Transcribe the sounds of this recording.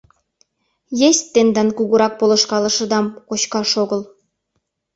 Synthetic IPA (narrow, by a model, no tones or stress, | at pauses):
jesʲt̪ːend̪ɑnkuɣuɾɑk̚polɤ̆ʃkɑlɤ̆ʃɤ̆d̪ɑmkot͡ɕkɑʃoɣəl